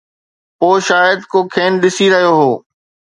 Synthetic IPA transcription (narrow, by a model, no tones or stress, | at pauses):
poːʃaːjəd̪kokʰeːnɗɪsiɾɐɦijoɦoː